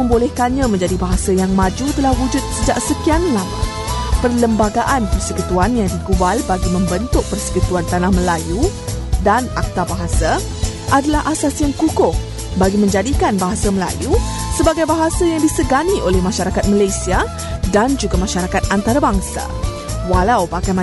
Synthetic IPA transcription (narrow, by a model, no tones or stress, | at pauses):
ə̃ŋbolɛhkaɲãmə̃ɲd͡ʒadibaɦasajaŋmãd͡ʒut̪əlahwud͡ʒʊt̪̚səd͡ʒaʔsəkianlamã̰ | pərləmbaɡaʔanpərsəkut̪uanjaŋdiɡubalbaɡimə̃mbənt̪ʊk̚pərsə̥kut̪uant̪anahməlajudanak̚t̪abaɦasa | ʔadalaɦʔasasjaŋkukʊh | baɡimə̃ɲd͡ʒadikanbaɦasaməla̰ju | səbaɡajbaɦasajaŋdisəɡaniʔolɛhmãʃaɾakat̪̚məlajsia | dand͡ʒuɡamãʃaɾakat̪̚ant̪aɾabaŋsa̰ | walawbakajma